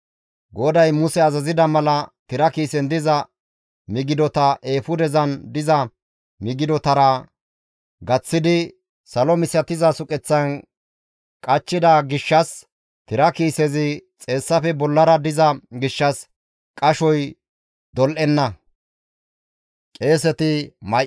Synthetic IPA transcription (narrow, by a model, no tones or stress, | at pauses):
ɡɔd̪ɐjmʊsɛɐzɐzɪd̪ɐmɐlɐt̪ɪɾɐkiːsɛnd̪ɪzɐ | mɪɡɪd̪ɔt̪ɐʔe̞ːfʊd̪ɛzɐnd̪ɪzɐ | mɪɡɪd̪ɔt̪ɐɾɐ | ɡɐt͡sːɪd̪ɪ | sɐlɔmɪsɐt̪ɪzɐsʊkʼɛt͡sːɐn | kʼɐt͡ʃːɪd̪ɐɡɪʃːɐs | t̪ɪɾɐkiːsɛzɪt͡sʼe̞ːsːɐfɛbɔlːɐɾɐd̪ɪzɐɡɪʃːɐs | kʼɐʃɔj | d̪ɔlʔɛnːɐ | kʼe̞ːsɛt̪ɪmɐ